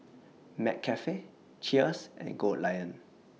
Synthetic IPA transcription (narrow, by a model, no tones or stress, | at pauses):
mɛ̰k̚kʰːɛfe | t͡ʃʰiəsʔɛ̰̃nɡodlajə̃n